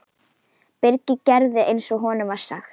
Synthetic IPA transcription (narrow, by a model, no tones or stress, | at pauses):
pɪɾcɪcɛɾðɪʔejnsɔɣɦɔːnʏmḁsa̰xt̪